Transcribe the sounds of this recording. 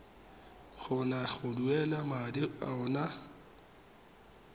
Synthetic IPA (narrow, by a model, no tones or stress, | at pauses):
ɣɔnaɣʊduɛlamadɪa̰ʊna